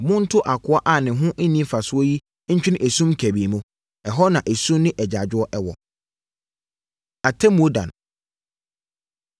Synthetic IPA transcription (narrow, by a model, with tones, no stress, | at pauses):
mʊ̃˦n̩˦tʰʊ˦ʔa˨kʰʊ˦a˦ʔa˦˨nɪ̃˨ɦʊ̃˦ʔe˦nĩ˦fa˨sʊ˦ɔ˦ji˦ | ɲ̩˦t͡ɕᶣɪ˦ɪ̃˦æ˨sũ˦mkʰæ˨bi˨mũ˦ | ɛ˨ɦɔ˦nã˨ʔæ˨sũ˦mnɪ̃˦ʔɛ˨d͡ʑa˨d͡ʑᶣʊ˦ɔ˦ʔɛ˦wɔ̰˨ | a˨tʰɛ˦mũ˨o˦dã̰˨n˨